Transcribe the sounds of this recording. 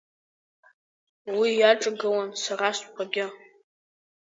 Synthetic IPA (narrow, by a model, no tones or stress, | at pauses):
wijaʈ͡ʂʼɨɡɨwansaraskʷʰaɡʲɪ